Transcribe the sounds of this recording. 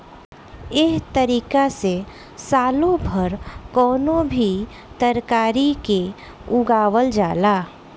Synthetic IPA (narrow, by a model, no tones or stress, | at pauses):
ɪɦt̪əɾiːkase | saːlõbʱəɾkɔːnõbʱi | t̪əɾkaːɾike | ʊɡaːwəld͡ʒaːlaː